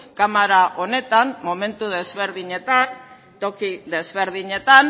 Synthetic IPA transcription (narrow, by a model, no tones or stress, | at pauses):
kamaɾaʔo̞ne̞t̪anmːo̞me̞nt̪uð̞e̞zβe̞ɾðiɲe̞t̪an | t̪o̞kiðe̞zβe̞ɾðiɲe̞t̪an